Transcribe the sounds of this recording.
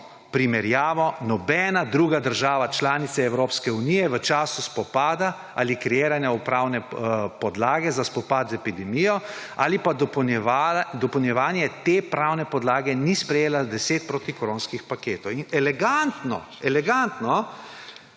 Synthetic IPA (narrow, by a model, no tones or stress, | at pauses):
pɾimɛɾjaːʋɔnɔbɛːnad̪ɾuːɡad̪əɾʒaːʋat͡ʃlaːnit̪sɛːwɾoːpskɛunijɛʋət͡ʃaːsuspɔpaːd̪a | ʔa̰ːlikɾɛjeːɾanjɛupɾaːwnɛpɔd̪laːɡɛzaspɔpaːt̪zɛpid̪ɛmijɔ | a̰ːlipaad̪ɔpəwnjɛʋaːnjɛt̪epɾawnɛpɔd̪laːɡɛnispɾɛjeːlad̪ɛseːt̪̚pɾot̪ikɔɾõːnskixpakeːt̪ɔwinɛlɛɡant̪nɔ̰ | ɛlɛɡant̪nɔ